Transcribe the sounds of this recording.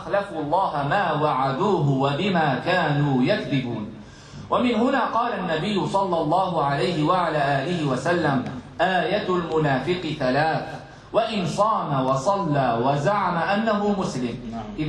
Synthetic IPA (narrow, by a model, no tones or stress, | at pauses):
xlafuːɑlˤːɑːɦamaːwaʕad̪uːɦʊwabɪmaːkaːnuːjakd̪ɪbuːn | wʔamɪnɦʊnaːqɑːlaʔnːabɪjːʊsˤɑlːɑlˤːɑːɦʊʕalajhɪwaʕalaːʔaːlɪhɪwasalːamʔaːjat̪lmʊnaːfɪqɪθalaːθ | waʔɪnsˤɑːmawɑsˤɑlːaːwazaʕamaʔanːaɦʊmʊslɪmʔɪ